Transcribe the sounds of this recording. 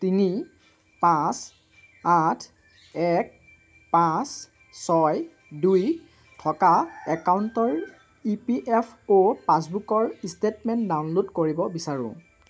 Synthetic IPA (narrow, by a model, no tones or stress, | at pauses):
tini | pãs | atʰ | ɛk̚ | pãs | sɔj | duj | tʰɔkaɛkawntɔɹ | ipiʔɛpʰopãs̬bukɔɹistetmɛntdawnlodkoɹibɔbisaɹʊ̰̃